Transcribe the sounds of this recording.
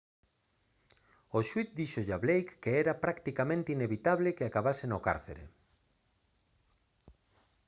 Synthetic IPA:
oʃwiθd̪iʃoʎaβlejkːeɛɾapɾakt̪ikamẽnt̪eineβit̪aβlekeakaβasenoka̰ɾθḛɾḛ

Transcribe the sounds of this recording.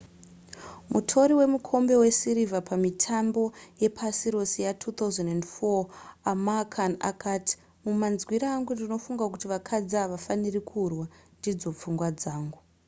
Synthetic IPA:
mutʰo̞ɾiwe̞mukʰo̞mbe̞we̞siɾivapamitʰambo̞je̞pʰasiɾo̞sijatʰut̪auzenendfoamakʰana̰kaːti̥ | mumanzwiɾaːŋɡundino̞fuŋɡakutiʋakʰad͡zaːʋafanirikʰurwandid͡zo̞p͡fuŋɡwad͡zaːŋɡu

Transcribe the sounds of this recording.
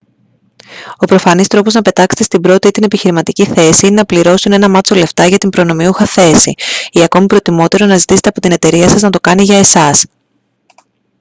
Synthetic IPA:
o̞pɾo̞fɐnist̪ɾo̞poznɐpe̞t̪ɐkset̪est̪imbɾo̞t̪iit̪ine̞piçiɾimɐt̪iciθe̞siine̞nɐpliɾo̞sune̞nɐmɐt͡so̞le̞ft̪ɐʝɐt̪imbɾo̞no̞miuxɐθe̞sḭiɐko̞mipɾo̞t̪imo̞t̪e̞ɾo̞nɐzit̪ise̞t̪epo̞t̪ine̞t̪e̞ɾiɐsɐznɐt̪o̞kɐniʝɐe̞sɐs

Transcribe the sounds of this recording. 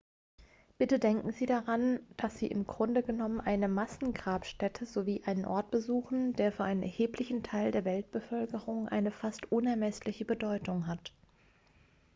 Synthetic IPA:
b̥ɪtədɛŋkŋ̩ziːdaʁand̥asz̥ḭːʔɪ̰mɡʁʊndəɡənɔmənʔaɪnəmasn̩ɡʁaːpʃtɛtʰəzoviːʔaɪnənʔɔ̰ɐt̚b̥əzuːxn̩d̥eːɐfyːɐʔaɪnənʔɛɐheːplɪçn̩tʰaɪldeːɐvɛlt̚b̥əfœlkəʁʊŋʔa̰ɪnəfastʔʊnɛɐmɛslɪçəbədɔʏtʊŋɦat

